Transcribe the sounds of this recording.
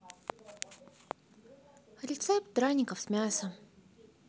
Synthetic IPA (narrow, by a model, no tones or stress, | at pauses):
ɾʲɪt̪sɛpt̪̚d̪ɾanʲɪkəfsʲmʲasə